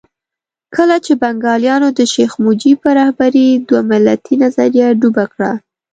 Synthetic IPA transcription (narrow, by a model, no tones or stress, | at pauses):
kəlat͡ʃebaŋɡɑljɑnod̪əʃexmud͡ʒipəɾɑhbaɾid̪wamɪlːat̪ʰinazaɾjaɖubakɽa̰